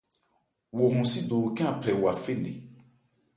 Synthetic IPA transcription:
wo˨ɦũ˨si˦do˨kɛ̃˦ã˨pʰɾɛ˨wa˨fe˦˨ne˨

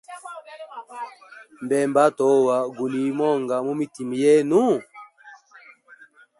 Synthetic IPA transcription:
mbɛ˨mba˦tɔ˨˦wa˨ɡu˨li˨˦mɔ˦˨ŋɡa˨mu˦mi˦ti˨mi˨jɛ˦nu˦

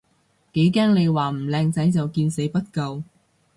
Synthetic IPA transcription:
ke˨˥jkaː˥ŋne˨˧jwaː˨˩m̩˨˩lɛː˧ŋt͡sɐ˨˥jt͡sɐ˨wkiː˧nse˨˥jpɐ˥t̚kɐ˧w

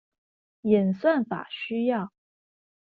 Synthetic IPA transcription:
jɛ˨˩nswa˥˩nfa̰˨˩ɕy˥jɑ˥˨ʊ

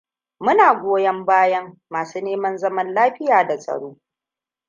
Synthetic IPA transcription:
mʊ˦naː˨ɡʷoː˦jɐ˦mbaː˦jɐ˦ŋːaː˨suː˦neː˦mɐ˦nzɐ˦mɐ˦nlaː˦ɸɪ˦jaː˨da˨sʼɐ̰˨ɽoː˦

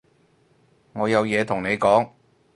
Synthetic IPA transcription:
ŋɔː˨˧jɐ˨˧wjɛː˨˧t̪ʰʊ˨˩ŋne˨˧jkɔː˨˥ŋ

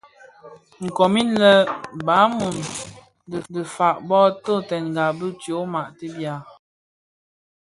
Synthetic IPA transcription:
ŋ̩˨kɔ˨mi˦nlə˦ba˨˦mu˨n | ddə˨fa˨ʔbɔ˦to˦˨tɛ˨nŋ˨ɡa˨bə˦tjo˨˦ma˨ʔtə˦bja˨

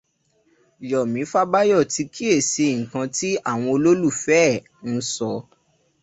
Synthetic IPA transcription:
jɔ˨mĩ˨˦fa˦ba˦jɔ˦˨ti˧kʰi˦e˦˨sẽ˧˨kã˧ti˦a˦˨w̃ɔ̃˧o˧lo˦lu˦˨fɛ˦˨ | n̩˦sɔ˧

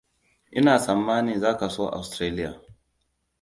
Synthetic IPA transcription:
ʔɪ˦naː˨sɐ˨mːaː˦niː˨zaː˦ka˨soː˦ʔa̰˨wstɾeː˦lɪ˦ja̰ː˨

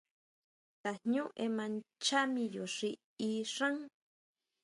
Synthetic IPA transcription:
t̪a˨ɲũ˦ʔemã˧nt͡ʃa˦mĩ˧jo˨ʂi | iʂa˦ŋ

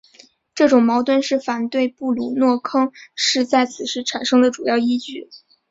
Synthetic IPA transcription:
ʈ͡ʂɤ˥˩ʈ͡ʂʊ˨˩ŋmɑ˧˥ʊt̪wə˥˧nʂɻ̩˥˩fa˨˩nt̪we˥˧ɪpu˥˩lu˨˩nwɔ˥˩kʰɤ˥ŋʂɻ̩˥˧t͡sa˥˩ɪt͡sʰɹ̩˨˩ʂɻ̩˥˩ʈ͡ʂʰa˨˩nʂɤ˥ŋd̪ə˨ʈ͡ʂu˨˩jɑ˥˩ʊi˥t͡ɕy˥˩

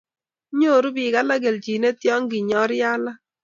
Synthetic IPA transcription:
ɲo˦˨ɾu˦bi˨ka˦la˦ɡe˨lt͡ʃi˨ne˦tjɔ˦ŋɡi˨ɲɔ˦ɾja˦la˦

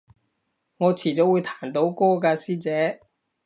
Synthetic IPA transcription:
ŋɔː˨˧t͡sʰiː˨˩t͡so˨˧˥wuː˨˧jt̪ʰaː˨˩nt̪o˨˧˥wkɔː˥kaː˧siː˥t͡sɛː˨˥

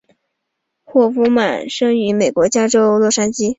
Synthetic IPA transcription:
xwɔ˥˩fu˧˥ma˨˩nʂɤ˥ŋy˧˥me˨˩ɪkwɔ˧˥t͡ɕja˥ʈ͡ʂo˥ʊlwɔ˥˩ʂa˥nt͡ɕi˥

